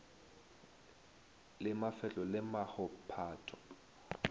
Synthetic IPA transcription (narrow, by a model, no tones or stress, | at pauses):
lɪmafɛt͡ɬʼɔlɪmahʊpʰaːtʰɔ̥